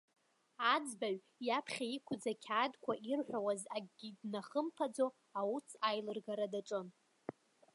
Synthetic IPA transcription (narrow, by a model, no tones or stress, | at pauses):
ad͡zbaɥ | japʰχʲaikʷʰʊd͡zakʲʰaːdkʷʰaʔirħʷᶣawazaɡɡʲidnaχəmpʰad͡zo | awut͡sʰajlɨrɡaɾadaʈ͡ʂʼɨn